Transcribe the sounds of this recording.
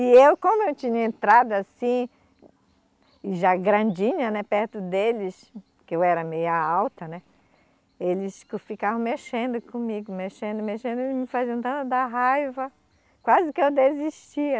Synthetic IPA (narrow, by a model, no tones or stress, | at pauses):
ɪewkõmʊewt͡ʃĩɲɐẽnt̪ɾad̪ʊasĩ | ɪʒaɡɾɐ̃d͡ʒĩɲɐnɛpɛɾt̪ʊd̪elɪs | kɪewɛɾɐmejaawt̪ɐnɛ | elɪskʊfikaɐ̃w̃meʃẽnd̪ʊkõmiɡʊmeʃẽnd̪ʊmeʃẽnd̪ʊelɪzmɪfaziɐ̃t̪ɐ̃nt̪ʊd̪aɦajvɐ | kwazɪkɪewd̪eziʃt͡ʃiɐ